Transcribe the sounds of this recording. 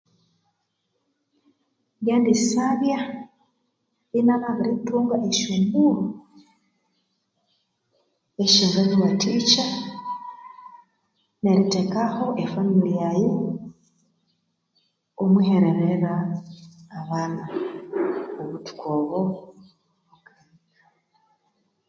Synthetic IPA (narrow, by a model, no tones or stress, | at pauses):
ɡaːndisaβja | inanaβiɾituːŋɡaʔeʃumɡuɾu | eʃiːŋɡaɲiβatʰiːt͡ʃa | ne̞ɾite̞kaho̞ʔefamilijajo | mwihe̞ɾeɾeɾaː | βaːna | oβutu̥koːβo | βaɡa | a